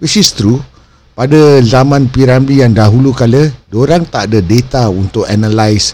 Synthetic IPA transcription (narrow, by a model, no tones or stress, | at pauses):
wisist̪ɾu | padəzamãnpiɾambijaŋdaɦulukalədoɾaŋt̪aʔdədet̪aunt̪ʊkanalajs